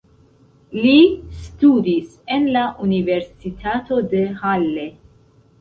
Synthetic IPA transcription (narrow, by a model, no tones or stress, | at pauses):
listudis | e̞nlaʔunive̞ɾsitʰato̞de̞halːe̞